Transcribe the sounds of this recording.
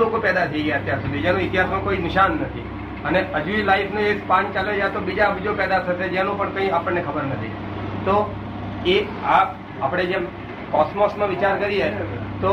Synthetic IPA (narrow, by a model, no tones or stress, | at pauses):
lokopɛd̪at̪ʰəiɡəjaət̪jaɾsud̪ʱid͡ʒanõit̪iɦasmãkoinɪʃanːət̪ʰḭ | əneʔəd͡ʒuilaifʰnõespãnt͡ʃaljod͡ʒjat̪obid͡ʒabid͡ʒopɛd̪at̪ʰəʃed͡ʒanõpəɳkə̃ĩapəɳːekʰəbəɾnət̪ʰḭ | t̪o | e | a | apɽ̃ed͡ʒem | kɔsmɔsmãʋɪt͡ʃaɾkəɾiɦet̪o